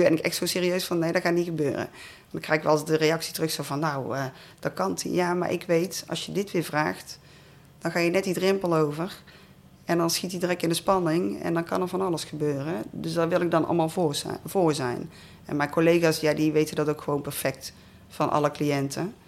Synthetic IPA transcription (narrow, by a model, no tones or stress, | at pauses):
ybɛnɪkɛ̰xtsowseːriøɥsfɑnːejdɑtxaːtniɣəbø̰ːrə̰ | ndɑŋkrɛjɪkʋɑlˠsdərejɑksi̥tərɵxsowvɑnːawə | d̥ɑtkɑntḭjaːma̰ɹʔɪ̰kʋejtɑ̰lˠsjədɪtʋɪːɹvraːxt | d̥ɑnɣaːjənɛtdidrɪmpəlˠowvər | ɛndɑnsxitidrɛkɪndəspɑnɪŋɛ̰ndɑnkɑnəɹvɑnɑlˠəsxəbøːrədøsdaʋɪlˠɪɡ̚dɑnɑ̰lˠmaːlˠv̥ʊːɹzɛ̰jn | ɛ̰nmɛjnkolejɣaːsjaːdiʋejtədɑtowkxəʋownpɛɹfɛk̚t | fɑnʔɑ̰ləklijɛntʰə